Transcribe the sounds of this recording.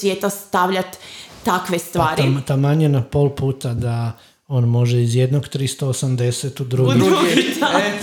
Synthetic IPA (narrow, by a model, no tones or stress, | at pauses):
ʋjeːt̪ast̪aʋʎat̪ːakʋest̪ʋaːɾt̪amaɲenapo̞lˠpuːt̪ad̪a | o̞ːnmo̞ʒeizjed̪noɡt̪ɾist̪o̞osamd̪eset̪ud̪ɾuːɡiit̪a